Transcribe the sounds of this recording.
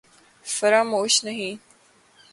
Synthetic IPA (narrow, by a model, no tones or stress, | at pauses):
fɐɾaːmoːʃnɐɦĩː